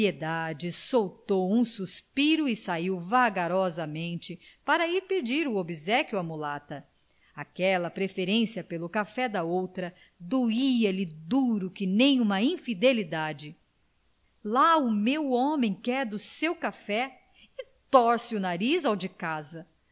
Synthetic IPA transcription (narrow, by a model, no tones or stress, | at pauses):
ied̪ad͡ʒɪsowt̪owũsuspiɾʊɪsaiwvaɡaɾɔzɐmẽnt͡ʃɪpaɾɐiɾped͡ʒiɾʊobizɛkjuɐmulat̪ɐ | akɛlɐpɾefeɾẽsiɐpelʊkafɛd̪ɐowt̪ɾɐ | d̪oiɐlɪd̪uɾʊkɪnẽj̃ũmɐĩfid̪elid̪ad͡ʒɪ | laʊmewõmẽj̃kɛɾd̪ʊsewkafɛ | ɪt̪ɔɾsɪʊnaɾizawd͡ʒɪkazɐ